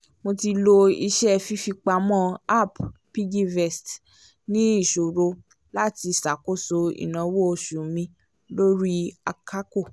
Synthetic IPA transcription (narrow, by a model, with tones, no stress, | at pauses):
mo˧ti˧lo˧i˧ʃɛ˦fi˦fi˧k͡pa˧mɔ̃˦˨a˦˨ppi˦ɡi˦vɛ˨st | nĩ˦i˦˨ʃo˨ɾo˧ | la˦ti˧sa˨ko˦˨so˧ḭ˨nã˨wo˦o˧˨ʃu˨mĩ˧ | lo˦ɾi˦a˧kʰa˦ko˦˨